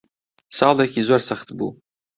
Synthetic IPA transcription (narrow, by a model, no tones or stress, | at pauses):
saːlakʲʰizarsaχtʰbṵ